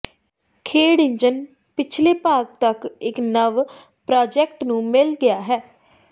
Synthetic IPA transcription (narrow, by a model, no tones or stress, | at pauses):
kʰeːɽɪ̃ɲd͡ʒən | pɪt͡ʃʰleːpaːk̚t̪əkɪknəʋ | pɾaːd͡ʒɛkʈnũːmɪlɡɪaːɦɛː